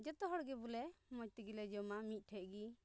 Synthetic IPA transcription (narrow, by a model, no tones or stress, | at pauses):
d͡ʒɛt̪ɔɦɔɽɡɛbulɛmɔc̚t̪iɡilɛd͡ʒɔmamic̪̚ˀʈʰɛʔ̚ɡi